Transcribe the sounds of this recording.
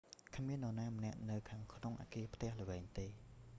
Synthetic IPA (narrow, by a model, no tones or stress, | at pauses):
kʰmiənːonaːmə̆nɛ̆əʔnɨwkʰaːŋkʰnoŋʔa̰ːkiəpʰt̪ɛ̆əhlə̆ʋɛːŋt̪eː